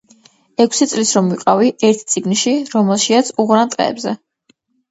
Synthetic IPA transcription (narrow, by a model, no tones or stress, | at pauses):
ɛkʷʰsit̪sʼlisɾɔmviqʼaviʔɛɾt̪ʰt̪sʼiɡnʃiɾɔmɛlˠʃiat̪sʰuʁɾant̪ʼqʼɛ̰ːbzɛ